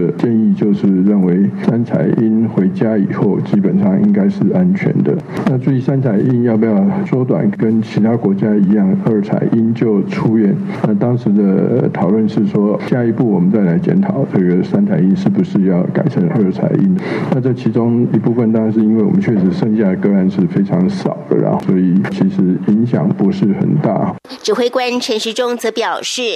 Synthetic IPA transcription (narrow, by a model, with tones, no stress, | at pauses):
t͡ɕjɛ˥˧ni˥˧t͡ɕjo˥˧ʊʂɻ̩˥˩˧ɻə˥˩nwe˧˥ɪsa˥nt͡sʰa̰˨˩ɪʔi˥nxwe˧˥ɪt͡ɕja˥i˨˩xo˥˩ʊt͡ɕi˥pə˨˩nʂɑ˥˩ŋi˥ŋka˥ɪʂɻ̩˥˩a˥nt͡ɕʰɥɛ̰˧˥nd̪ə̰˧na˥˧swe˥˧˩i˥˩sa˥nt͡sʰa˨˩ɪi˥˧njɑ˥˧ʊpə˥˧˩jɑ˥˩ʊʈ͡ʂwɔ˥t̪wa̰˨˩nkə˥nt͡ɕʰi˧˥t̪ʰa˥kwɔ˧˥t͡ɕja˥i˧˥jɑ˥˩ŋə˥˩t͡sʰa̰˨˩˦ɪʔi˥nt͡ɕjo˥˩ʊʈ͡ʂʰu˥ɥɛ˥˩n | na˥˧˩t̪ɑ˥ŋʂɻ̩˧˥d̪ə˧t̪ʰɑ˨˩ʊlwə˥˧nʂɻ̩˥˩ʂwɔ˥ɕja˥i˧˥pu˥˩wɔ˨˩mə˦t͡sa˥˩ɪla˧˥ɪt͡ɕjɛ̰˧˥nt̪ʰɑ˨˩˦ʊʈ͡ʂɤ˥˩ɡə˩sa˥nt͡sʰa˨˩ɪi˥nʂɻ̩˥˩bu˩ʂɻ̩˥˧jɑ˥˩ʊka̰˨˩ɪʈ͡ʂʰə˧˥ŋə˥˩t͡sʰa̰˨˧˥ɪʔi˥nna˥˧ʈ͡ʂə˥˩t͡ɕʰi˧˥ʈ͡ʂʊ˥ŋi˧˥pu˥˩fə˨˩nt̪ɑ˥ŋʂɻ̩˧i˥nwe˥˩ɪwɔ̰˨˩mə˦nt͡ɕʰɥɛ˥˩ʂɻ̩˧˥ʂɤ˥˧ŋɕja˥˩d̪ə˩kɤ˥˧a˥˧nʂɻ̩˥˩fe˥ɪʈ͡ʂʰɑ˧˥ŋsɑ̰˨˩ʊd̪ə̰˦ɐ̰˧swɔ˧˥i˨˩t͡ɕʰi˧˥ʂɻ̩˧˥i˧˥ŋɕjɑ̰˨˩ŋpu˧˥ʂɻ̩˥˩xə̰˨˩nt̪a̰˥˩ | ʈ͡ʂɻ̩˨˩xwe˥˩ɪkwa˥nʈ͡ʂʰə˧˥nʂ̩˧˥ʈ͡ʂʊ˥ŋt͡sɤ˧˥pjɑ˨˩ʊʂɻ̩˥˩